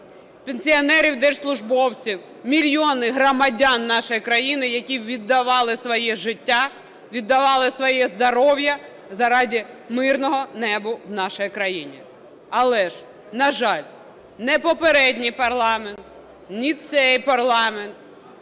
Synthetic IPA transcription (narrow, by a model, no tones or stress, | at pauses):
penʲsʲiɐnɛɾʲiwd̪ɛʃslˠʊʒbɔwt͡sʲiw | mʲilʲjɔnɪɦɾɔmɐdʲɑnːɑʃɔjikɾɐjinɪjɐkʲiʋʲid̪ːɐʋɑlˠɪsʋɔjɛʒɪtʲːa | ʋʲid̪ːɐʋɑlˠɪsʋɔjɛzd̪ɐɾɔwjɐ | zɐɾɑdʲimɪrnɔɦɔnɛbʊwnɑʃɔjikɾɐjinʲḭ | ɐlˠɛʒ | nɐʒɑlʲ | nɛpɔpeɾɛdʲnʲijpɐrlˠɑment̪ | nʲit̪sɛjpɐrlˠɑment̪̚